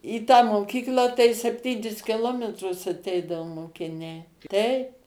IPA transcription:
iː tɑː moːˈkʲiːklˠɑː tɐɪ sʲɛpʲˈtʲiːnʲɪs kʲɪˈlˠoːmʲɛtrʊs ɐˈtʲɛɪdɐʋoː moːkʲɪˈnʲɛɪ ˈtʲɛɪp

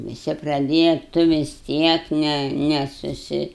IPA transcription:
ʋʲɪˈsʲɪ prɐˈdʲeːjɛ ˈtʊ ʋʲɪs ˈtʲiɛk ˈnʲɛ ˈnʲɛ sʊˈsʲɪ

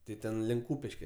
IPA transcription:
ˈtʲɪ ˈtʲɛn lʲɪŋk ˈkuːpʲɪʃʲkʲɛ

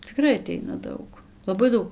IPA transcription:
t͡sʲɪˈkrɐɪ ɐˈtʲɛɪnɐ ˈdɐʊk lˠɐˈbɐɪ ˈdɐʊk

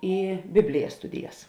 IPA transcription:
ɪ ˈbʲɪbʲlʲɪjɛs ˈstʊdʲɪjɛs

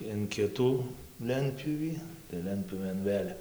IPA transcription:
ɪn ˈkʲɪtuː ˈlʲɛnʲtʲpʲjuːʋʲiː tɐɪ ˈlʲɛnʲtʲpʲjuːʋʲeːn ˈʋʲeːlʲ

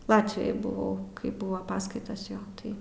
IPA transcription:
ˈlˠɑːtʲʋʲɪjoːj bʊˈʋɐʊ kɐɪ ˈbʊʋɐ ˈpɑːskɐɪtɐs ˈjoː ˈtɐɪ

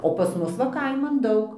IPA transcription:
oː ˈpɐs ˈmʊs ʋɐ ˈkɐɪmɐn ˈdɐʊk

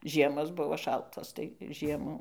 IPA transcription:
ˈʒʲiɛmoːs ˈbʊʋoː ˈʃɐlˠtoːs tɐɪ ˈʒʲiɛmuː

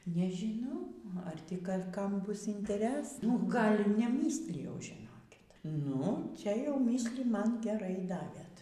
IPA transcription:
nʲɛʒʲiːˈnɐʊ ɐr ˈtʲiː ˈɡɐlʲ ˈkɐm ˈbʊs ɪnʲtʲɛˈrʲæːsnɐ ˈɡɐlʲ iː nʲɛˈmʲiːsʲlʲɪjɛʊ ʒʲɪˈnoːkʲɪt nʊ ˈt͡ʃʲɛ jɛʊ ˈmʲiːsʲlʲiː ˈmɐn ɡʲɛˈrɐɪ ˈdɑːʋʲeːt

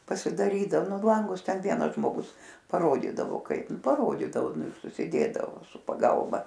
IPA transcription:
pɐsʲɪdɐˈrʲiːdɐw ˈnʊ ˈlˠɐŋɡʊs ˈtʲɛn ˈʋʲiɛnɐs ʒmoːˈɡʊs pɐˈroːdʲiːdɐʋoː ˈkɐɪp pɐˈroːdʲiːdɐoː ˈnʊ ɪr sʊsʲɪˈdʲeːdɐʋoː sʊ pɐˈɡɐlˠbɐ

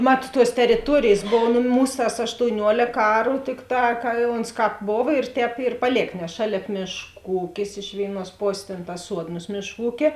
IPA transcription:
ˈmɐt tuɔs tʲɛrʲɪˈtuɔrʲeːjeːs ˈboːʋoː nʊ ˈmuːs tɐs ɐʃtoːʊˈnʲuɔlʲeːk ˈɑːrʊ ˈtʲɪkˌtɑː kɐ oːns ˈkɑːp ˈboːʋɐ ɪr ˈtʲɛːp ɪr pɐˈlʲeːk nʲɛs ˈʃɑːlʲeːp ˈmʲeːʃˌkuː ˈuːkʲɪs ɪʃ ˈʋʲeːɪˌnuɔs ˈpoːsʲeːs ˈtʲeːn tɐs ˈsuɔdnoːs ˈmʲeːʃˌkuː ˈuːkʲeː

